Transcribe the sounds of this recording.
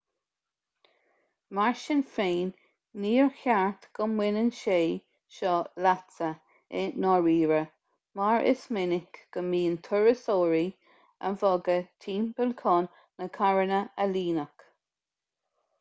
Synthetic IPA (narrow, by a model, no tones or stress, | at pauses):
maɹʃɪnfeːnː | iːɹxaɹt̪ɡ̥əmwɪnənʃeː | ʃɔlatt͡sə | ɛnɔɹiːɹə | maɹʔɪ̰smɪnɪkɡ̥əmiːənt̪ʰʊɹəsoːɹi | ə̰nvɔɡət̪ʰiːmpəlkʰɔːnː | əkʰaɹənəəliːnək